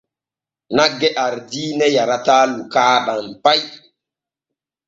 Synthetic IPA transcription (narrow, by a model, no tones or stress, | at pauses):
naɡɛʔaɾdinɛjaɾatalukaːɗanpaj